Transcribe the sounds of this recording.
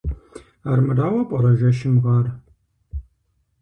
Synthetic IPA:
aːrmɨraːwɐpʼɐɾɐʒɐʃɪmʁɑr

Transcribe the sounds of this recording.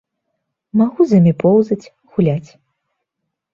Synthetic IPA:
maɣuzɐmʲipɔwzɐt͡sʲ | ɣulʲat͡sʲ

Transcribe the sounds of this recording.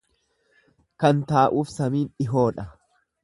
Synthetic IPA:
kɐnt̪aːʔuːfsɐmiːnᶑɪɦo̞ːᶑɐ

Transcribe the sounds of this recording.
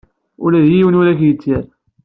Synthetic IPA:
ʊ̰læðjiwənuɾæçjət͡sːæɾ

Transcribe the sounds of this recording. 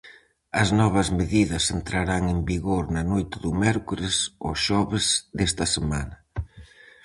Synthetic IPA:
ɐznɔβ̞ɐzmeðiðɐsent̪ɾaɾaŋembiɣoɾnɐnojt̪ɪðʊmɛɾkuɾɪsoʃɔβɪzðest̪ɐsemanɐ

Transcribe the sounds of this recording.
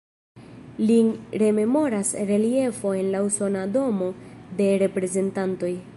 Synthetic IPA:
liɾe̞me̞mo̞ɾasɾe̞lie̞fo̞e̞nlauso̞nado̞mo̞de̞ɾe̞pɾe̞ze̞ntanto̞j

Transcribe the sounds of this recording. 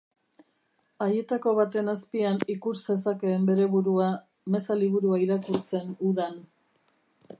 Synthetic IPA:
aje̞t̪ako̞βat̪e̞naspianikuɾse̞s̬ake̞ːmbe̞ɾe̞βuɾua | me̞saliβ̞uɾuaiɾakuɾt͡se̞nuðan

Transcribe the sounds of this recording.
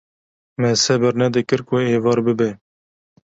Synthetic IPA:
mɛsɛbɨɾnɛd̪ɨkɨɾkʊeːvɑːɾbɨbɛ

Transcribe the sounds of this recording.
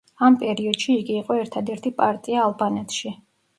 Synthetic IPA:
ampʼɛɾiɔd̪̥ʃiːɡiːqʼɔɛɾt̪ʰad̪ɛɾt̪ʰipʼaɾt̪ʼiaːlˠbanɛt̪ʰʃi

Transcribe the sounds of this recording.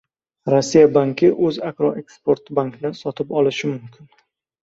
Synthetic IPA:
ɾɒsːijabaŋkʲʰɪʔɵzakɾɒʔe̞kspo̞ɾt̪baŋknɪsɒt̪ʰɪpɒlɪʃɪmʊmkʲʰɪn

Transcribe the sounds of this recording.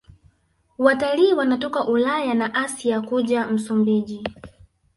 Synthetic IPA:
wataliːwanatɔkaʔulajanaʔasiakuʄam̩sumbiʄi

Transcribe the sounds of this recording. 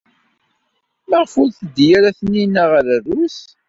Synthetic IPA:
məʁfuɾθəd̪ːjaɾæθənːinæʁɾəðus

